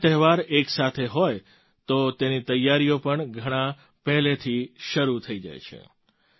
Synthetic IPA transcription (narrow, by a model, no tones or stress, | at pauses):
t̪ɛɦʋaɾeksat̪ʰeɦoj | t̪ot̪enit̪əjːaɾijopəɳɡʱəɽ̃ã | pɛɦlet̪ʰiʃəɾut̪ʰəid͡ʒa̰jt͡ʃʰḛ